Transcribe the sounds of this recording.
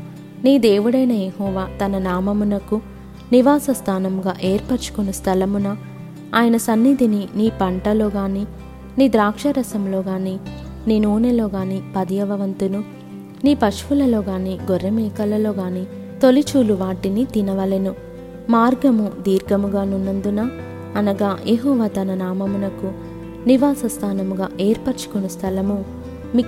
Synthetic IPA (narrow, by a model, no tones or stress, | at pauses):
niːd̪e̞ːʋuɽɐjnɐjehɔːʋaːt̪ɐnɐnaːmɐmunɐku | niʋaːsɐst̪ʰaːnɐmɡaːʔeːɾpɐɾt͡ʃu̥konɐst̪ʰɐlɐmunɐ | aːjɐnɐsɐnːid̪ʱininiːpɐɳʈɐlo̞ːɡaːniː | niːd̪ɾaːkʂɐɾɐsɐmlo̞ːɡaːniː | niːnuːnelo̞ːɡaːniːpɐd̪ijɐʋɐʋɐnt̪unu | niːpɐʂʋulɐlo̞ːɡaːniːɡɔɾːɐmɛːkɐlɐlo̞ːɡaːniː | t̪o̞lit͡ʃuːluʋaːʈinit̪inɐʋɐlenu | maːɾɡɐmud̪iːɾɡɐmuɡaːnunːɐnd̪unɐ | ɐnɐɡaːjʔeɦɔːʋaːt̪ɐnɐnaːmɐmunɐku | niʋaːsɐst̪ʰaːnɐmuɡaːʔeːɾpɐɾt͡ʃu̥kunust̪ʰɐlɐmu | mi